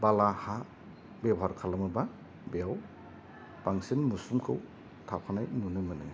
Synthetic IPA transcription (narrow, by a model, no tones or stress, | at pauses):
balaha | bebɦaɾkʰalamɯba | beaw | b̥aŋsinmusumkʰɯw | tʰapkʰanajnunɯmɯnɯ